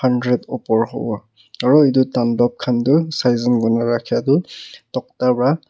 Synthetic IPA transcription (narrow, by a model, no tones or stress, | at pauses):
handɹɛdupɔɹɦo̰wɔ | aɹɔet̬ʊtandɔp̚kʰantʊsajzɔnɡɔnaɹakʰiatʊtɔk̚tapɹa